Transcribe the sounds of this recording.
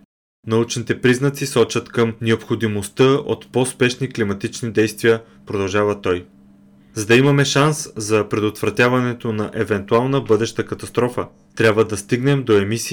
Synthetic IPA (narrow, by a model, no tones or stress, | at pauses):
nɐut͡ʃnit̪ɛpɾiznɐt̪sisɔt͡ʃət̪kəmnɛopxod̪imost̪əo̰t̪pospɛʃniklimɐt̪it͡ʃnid̪ɛjst̪vijə | pɾod̪ɐlˠʒavət̪ɔj | zɐd̪ɐimɐmɛʃanszɐpɾɛd̪ot̪vɾɐt̪ʲjavɐnɛt̪onɐʔɛvɛnt̪ualˠnəbɤd̪ɛʃt̪əkɐt̪ɐst̪ɾɔfə | t̪ɾʲjabvəd̪ɐst̪iɡnɛmd̪oɛmisi